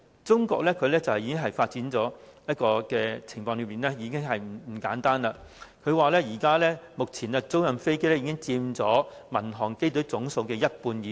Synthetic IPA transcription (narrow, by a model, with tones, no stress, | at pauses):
t͡sʊ˥ŋkɔ̰ː˧k̚lɛː˥kʰɵ˨˧ɥlɛː˥t͡sɐ˨whji˨˥kɪ˥ŋɦɐ˨jfaː˧t̚t͡siː˨˥nt͡sɔː˨˥jɐ˥t̚kɔː˧kɛː˧t͡sʰɪ˨˩ŋfɔː˧ŋlə˨˧miː˨˩nlɛ˥jiː˨˧kɪ˥ŋɦɐ˨j̩˨˩m̩˨˩kaː˨˥nt̪aː˥nlaː˧kʰɵ˨˧ɥwaː˨˩lɛː˥jiː˨˩kaː˥lɛː˥mʊ˨k̚t͡sʰiː˨˩naː˧t͡so˥wjɐ˨mfe˥jke˥jlɛ˥iː˨˧˥kɪ˥ŋt͡siː˧mt͡sɔː˨˥mɐ˨˩nɦɔː˨˩ŋke˥jt̪ɵ˨˥t͡sʊ˨˥ŋso˨˧wkɛː˧jɐ˥t̚puː˧njiː˨˥